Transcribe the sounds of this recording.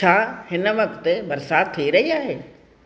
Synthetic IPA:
t͡ʃʰaːhɪnə̆ʋɐkt̪bɐɾsaːd̪̚t̪ʰːiiɾɐɦiaːɦeː

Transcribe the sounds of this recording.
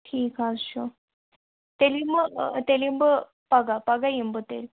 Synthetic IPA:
ʈʰiːkazɕo | t̪elimbət̪elimbə | paɡapaɡajimbət̪ḛɾ

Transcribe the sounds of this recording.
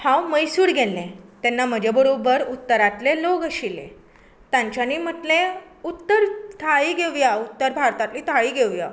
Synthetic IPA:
hãwməjsuːɽɡʱelːẽt̪ɛnːam̤əd͡ʑabəɾobəɾut̪ːəɾat̪leloɡəɕilḛ̃ | t̪jãɲt͡ɕjaniːm̤əʈlẽ | ut̪ːəɾt̪ʰaɭiɡʱeʋjaut̪ːəɾbʱaɾt̪at̪liːt̪ʰaɭiɡʱeʋja̰

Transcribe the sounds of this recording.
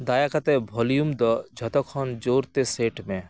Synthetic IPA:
d̪aːjakɐt̪ɛbʱɔlijumd̪ɔd͡ʒʱɔt̪ɔkʰɔnd͡ʒoːɾt̪eseːʈmẽ

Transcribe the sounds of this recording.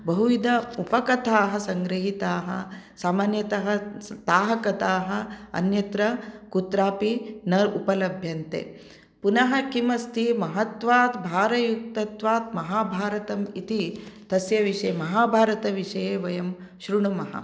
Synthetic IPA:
bɐɦuʋid̪ɐupɐkɐt̪aːɦɐsɐŋɡɾɐɦit̪aːɦɐ̰saːmaːnjɐt̪ɐɦɐ̆t̪aːɦɐkɐt̪aːɦɐ̆ɐ̰njɐt̪ɾɐkut̪ɾaːpinɐɾupɐlɐbʱjɐnt̪ḛː | punɐɦɐkimɐst̪imɐɦɐt̪ʋaːt̪bʱaːɾɐjuk̚t̪ɐt̪ʋaːt̪̚mɐɦaːbʱaːɾɐt̪ɐmit̪it̪ɐsjɐʋiʂɐmɐɦaːbʱaːɾɐt̪ɐʋiʂɐjeːʋɐjɐm | ʃɾuɳumɐɦɐ̰

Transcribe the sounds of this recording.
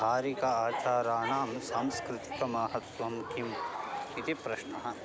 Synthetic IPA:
bʱaːɾikɐaːt͡ʃaːɾaːɳaːmsaːmskɾɪt̪i̥kɐmɐːɦɐt̪ʋɐmkimkit̪ipɾɐʃnɐɦɐ̆

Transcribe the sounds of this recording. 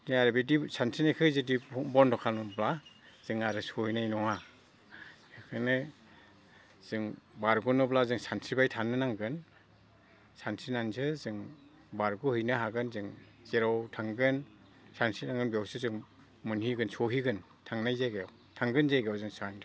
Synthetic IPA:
diaɾbidisansʰinajkʰɯzɯdibɔntʰɔkʰalnɔbla | z̥ɯŋaɾɯsɔhinajnɔŋa | kʰɯnɯ | z̥ɯŋbaɾɡunɯblazɯŋsansʰibajtʰanɯnaŋɡɯn | sansʰinansɯzɯŋ | baɾɡuhɯjnaɦaɡɯnzɯŋ | z̥eɾawtʰaŋɡɯn | sansʰinaŋɡɯnbijawsɯzɯŋ | mɯnhiɡɯnsɔɦiɡɯn | tʰaŋnajzajɡew | tʰaŋɡɯnzajɡeawzɯŋsandʰ

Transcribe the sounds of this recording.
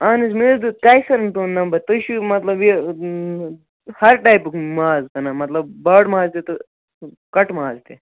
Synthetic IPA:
aːnismeːɾd̪ukaːjsɐɾɐnt̪oːnɐmbɐt̪ɐʃumɐt̪lɐbje | hɐɾʈaːjpkmaːzkɐnamɐt̪lɐbːaːɖmaːzt̪et̪o | kɐʈmaːzt̪e

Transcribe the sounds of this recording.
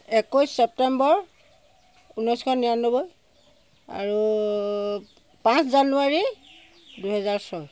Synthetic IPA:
ɛkɔjsːɛp̚tɛmbɔɹ | unɔjskʰɔnijanobɔj | a̰ɹu | pãnszanuaɹi | duɦɛzaɹsɔj

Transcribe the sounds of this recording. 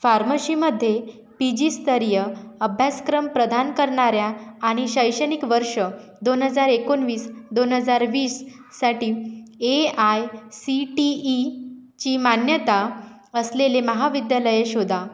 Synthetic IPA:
faɾməɕiməd̪ʱːje | pid͡ʑist̪əɾjəəbʱjaskɾəmpɾəd̪ʱankəɾɳaɾjaːɽ̃iɕəjɕənikʋəɾʂə | d̪onɦəd͡zaɾekonʋiːsd̪onɦəd͡zaɾʋiːsː | aʈiːeajsiʈiːt͡ɕiːmanjət̪a | əsleleməɦaʋid̪jaləjeɕod̪ʱa

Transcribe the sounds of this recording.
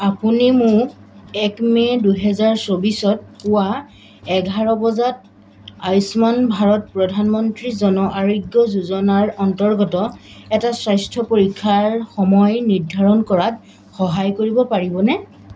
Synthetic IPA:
apunimʊɹ | ɛkmɛduɦɛzaɹsobisɔt̚kʊwa | ɛɡʱaɹɔbɔzat̚ | ajsmanbʱaɹɔt̚pɹɔdʱanmɔntɹizɔnɔʔaɹiɡːɔzuzɔnaɹɔntɔɹɡɔtɔɛtasɹajstʰɔpoɹikʰːaɹxɔmɔjniɹdʱaɹɔnkɔɹat̚ | xɔɦajkoɹibɔpaɹibɔnɛ

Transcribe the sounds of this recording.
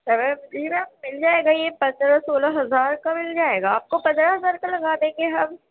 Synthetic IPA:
sɛʋɛd͡ʒinamɪld͡ʒaːeːɡajepɐ̃nd̪ɾasoːlaɦɐzaːɾkamɪld͡ʒaːeːɡaːp̚kopɐ̃nd̪ɾaɦɐzaːɾkalɐɡaːd̪ẽkɡeɦɐm

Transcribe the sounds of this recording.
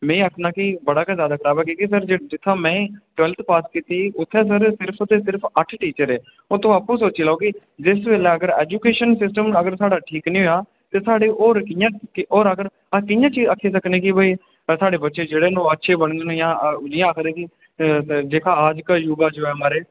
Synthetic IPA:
mɛ̃ːakʰnãːkɪbəɽaːkɛ̃zjaːd̪aːkʰəɾaːbɛːkiːkisəɾd͡ʒed͡ʒɪt̪ʰːãːmɛ̃ːʈʊɛːlt̪ʰpaːskiːt̪iːʊt̪ʰːɛːs̬əɾsɪɾpʰt̪ːeːsɪɾpʰəʈʰʈiːt͡ʃəɾɛː | ot̪õːaːpũːsoːt͡ʃiːlaːkɪ | d͡ʒɪsʋeːlɛːəɡəɾɛːd͡ʒuːkeːʃənsɪsʈəməɡəɾsaːɽaːʈʰiːknĩːɦojaː | t̪eːsaːɽeːʔoːɾkɪjãːkoːɾəɡəɾ | kɪjãːt͡ʃiːəkʰːeːsəkneːkɪbəiː | saːɖeːbətːʃeːd͡ʒeːɽeːnõːətːʃʰeːbəɳd̪enẽjãːɪ̃ːaːkʰd̪ẽːkɪ | d͡ʒeːkʰaːaːd͡ʒkaːjuːɡaːd͡ʒoːɛːmaːɾeː

